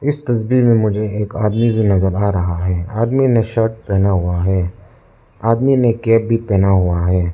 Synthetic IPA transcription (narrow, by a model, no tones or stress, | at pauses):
ɪst̪ɐsbimẽmʊd͡ʒʱeeːkaːd̪mibʱinɐzəɾaːɾɐɦaɦɛːaːd̪minẽʃəɾʈ̚pɛːnaɦuaɦɛː | aːd̪minekɛːp̚bʱipɛːnaɦuaɦɛː